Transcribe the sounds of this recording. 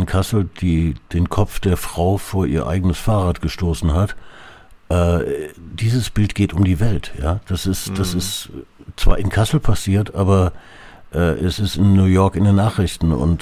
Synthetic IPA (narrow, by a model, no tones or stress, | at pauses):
ɪnkʰasl̩d̥iːd̥eːnkʰɔp͡fd̥eːɐfʁ̥aʊfoːɐʔiːɐʔa̰ɪɡənəsfaːʁaːtɡ̥əʃtoːsn̩ɦat | ʔɛːd̥iːzəsb̥ɪltɡ̥eːtʊmdiːvɛltjaːd̥asɪstd̥asɪstt͡sv̥aːɐɪnkʰasl̩pʰasiːɐtʔaːbɐ | ʔɛːʔɛsɪstɪnːuːjɔɐkɪndeːnːaːχʁ̥ɪçtn̩ʊ̰nt